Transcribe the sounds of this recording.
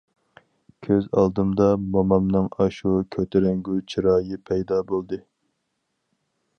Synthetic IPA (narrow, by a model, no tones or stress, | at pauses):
kʲʰøzɑ̰lˠd̪ɨmd̪ɑmɑmɑmnɨŋɑʃukʲʰøt̪ʰɪɾɛŋɡʲut͡ʃʰiɾɑːjɨpʰɛjd̪ɑbolˠd̪ɨ